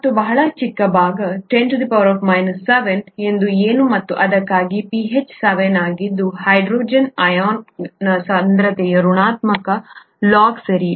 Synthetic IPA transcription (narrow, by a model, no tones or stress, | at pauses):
mɐt̪ːubɐɦɐɭɐt͡ʃikːɐbʱaːɡɐʈenʈud̪ipɐʋɐɾɔːfmɐjnɐsːɐʋenend̪ueːnumɐt̪ːuʔɐd̪ɐkːaːɡipiɦet͡ʃsɐʋenaːɡid̪ːuhɐjɖɾoːd͡ʒɐnɐjaːnnɐsɐnd̪ɾɐt̪ɛjɐɾuɳaːt̪mɐkɐ | laːɡsɐɾi